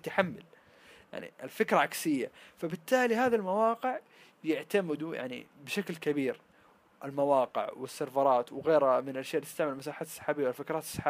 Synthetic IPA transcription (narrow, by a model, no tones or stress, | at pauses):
t̪aħamːal | jja̰ʕnḭɪlfɪkɾˤɑʕaksɪjːafabɪt̪ːaːlihaːðalmawɑːqɪʕ | jaʕt̪amɪd̪uja̰ʕnḭbɪʃaklkabiːɾ | ʔɪlmawɑːqɪ̰ʕwɪsːɑɾfɑɾˤɑːt̪wɣeːɾhamɪnaʃeːʔlt̪ɪst̪aʕmalmasaːħaːt̪sˤːɑ̥ħaːbiːwlfɪkɾˤɑːt̪sˤːɑ̥ħaː